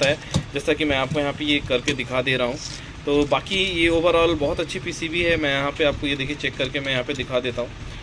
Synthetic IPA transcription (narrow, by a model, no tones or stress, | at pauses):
t̪aɦɛːd͡ʒɛːsɐkimɛ̃aːp̚kojɐɦãpejekɐɾked̪ɪkʰaːd̪eːɾaɦũ | t̪oːbaːkijeoːʋəɾɔːlbɔːɦʊt̪ɐtːʃʰipiːsibiɦɛmɛ̃jɐɦãpeaːp̚kojed̪eːkʰiet͡ʃɛːkːɐɾkemɛ̃jɐɦãːped̪ɪkʰad̪eːt̪aɦũː